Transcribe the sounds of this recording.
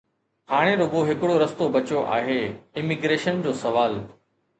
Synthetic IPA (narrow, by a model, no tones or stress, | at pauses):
haːɽ̃eɾoːɡoɦɪkɪɽoɾɐst̪obɐt͡ɕjoʔa̰ːɦeːɪmɪɡɾeːʃənd͡ʑoːsɐʋaːl